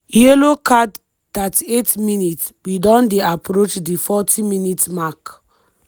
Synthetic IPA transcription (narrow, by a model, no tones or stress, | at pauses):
jelokʰad | tatietminit | widɔ̃ndeapɾot͡ʃdifɔtʰĩminitmak